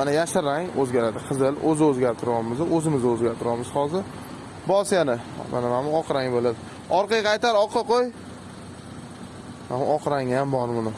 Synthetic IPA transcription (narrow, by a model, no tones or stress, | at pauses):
manajaʃɪɾaŋɵzɡʲaɾad̪ɪqʰɨzɪlɵzɪɵzɡʲaɾt̪ʰɪɾɒɾmɪzɪʔɵzɪmɪzɪɵzɡʲaɾt̪ʰɪɾɒmɪz̥hɒzɪɾ | bɒsjanɪma̰namamɪɒqʰɨɾaŋbolɪp̚ | ɒɾqɑjqʰɑjt̪aɾɒqʰːɨqoj | mamʊɒqʰɾaŋjambɒɾˠmʊnɪ